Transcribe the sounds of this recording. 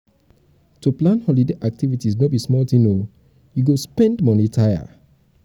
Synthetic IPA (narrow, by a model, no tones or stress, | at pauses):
tuplãnhɔlideʔak̚tivitisnɔbismɔltĩno | juɡospɛ̃ndmɔnitʰaja̰